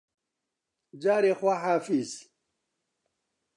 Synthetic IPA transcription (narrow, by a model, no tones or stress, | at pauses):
d͡ʑaːɾexwaħaːfiz